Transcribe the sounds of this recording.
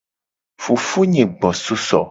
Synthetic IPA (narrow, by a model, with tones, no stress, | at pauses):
fu˨fu˦ɲẽ˨ɡ͡bɔ̃˨su˦sɔ̰˨